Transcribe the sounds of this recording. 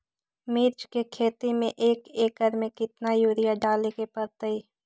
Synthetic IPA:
mɪːɾt͡ʃkekʰeːt̪imẽʔeːkeːkəɾmẽkɪt̪najuːɾɪjaɖaːlekepəɾt̪əiː

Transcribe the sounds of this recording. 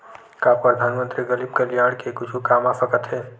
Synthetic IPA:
kapɾəd̪ʱaːnmə̃nt̪ɾiɡəlib̚kəljaːɽ̃kekʊt͡ʃʰukaːmaːsəkət̪ɦɛː

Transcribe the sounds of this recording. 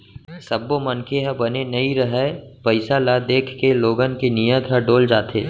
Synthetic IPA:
sɐbːomɐnkʰeɦəbɐnenɐiɾəɦəpəɪsalad̪eːkʰkeloːɡənkenijəd̪ɦəɖoːld͡ʒaːt̪ʰḛː

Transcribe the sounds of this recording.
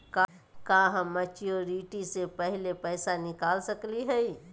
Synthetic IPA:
ka | kãːɦə̃ːɐt͡ʃijoɾiːʈisepɛɦlepɛːsanɪkaːlsəkliɦɛi

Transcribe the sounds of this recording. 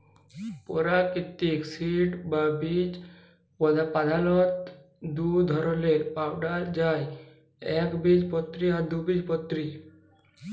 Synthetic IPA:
pɔɾakit̪ːiksiɖbabid͡ʒ | pɔd̪ʱapad̪ʱalɔt̪ | d̪ud̪ʱɔɾɔleɾpawɖaɾd͡ʒaj | ɛkbid͡ʒpɔt̪ːɾiaɾd̪ubid͡ʒpɔt̪ːɾi

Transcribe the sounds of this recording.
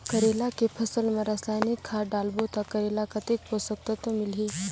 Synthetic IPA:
kəɾelakepʰəsəlmɐɾasajnikʰːaɖalbot̪akəɾelakɐt̪ek̚posək̚t̪ət̪omilɦi

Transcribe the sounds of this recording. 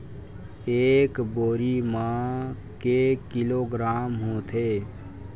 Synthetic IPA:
eːkboːɾimã | kekɪloːɡɾaːmɦõt̪ʰe

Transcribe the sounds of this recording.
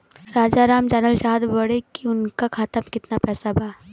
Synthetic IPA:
ɾaːd͡ʒaɾaːmd͡ʒanəlʃaːɦd̪bɐɽekiʊnkakʰaːt̪əmkɪt̪napɛːsabʱaː

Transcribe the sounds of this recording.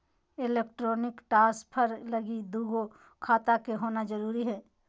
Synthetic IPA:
ɪleːk̚ʈɾoːnɪkʈaːspʰəɾləɡid̪uːɡo | kʰaːt̪akeɦoːnad͡ʒɐɾuːɾiɦɛː

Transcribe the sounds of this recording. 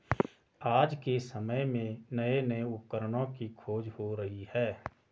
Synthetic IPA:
aːd͡ʒkesəməjmẽnəenəeʊp̚kəɾəɽõkikʰoːd͡ʒhoɾəɦihɛː

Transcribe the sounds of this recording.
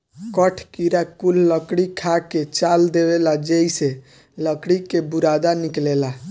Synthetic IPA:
kəʈʰkiɾakulːəkɽikʰaket͡ʃald̪ebelad͡ʒejse | ləkɽikebuɾad̪aniklela

